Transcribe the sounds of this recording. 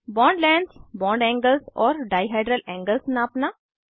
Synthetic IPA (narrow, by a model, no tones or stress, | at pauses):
bɔ̃ːɳɖlɛ̃ːɳɖsbɔ̃ːɳɖɛ̃ːŋɡəlsɔːɾɖaːɪɦaɪɖɾəlɛ̃ːŋɡəlsnaːpna